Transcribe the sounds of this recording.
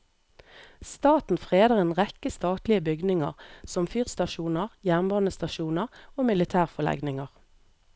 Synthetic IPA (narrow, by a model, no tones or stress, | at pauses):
st̪ɑːt̪n̩fʁeːd̪əʁeːnʁɛkəst̪ɑːt̪lɪəbʏɡnɪŋə̰ʁsɔmfyːʁst̪ɑʃuːnəʁjæːʁnbɑːnəst̪ɑʃuːnəʁoːmɪlɪt̪ʰæːʁfɔlɛ̰ɡnɪŋəʁ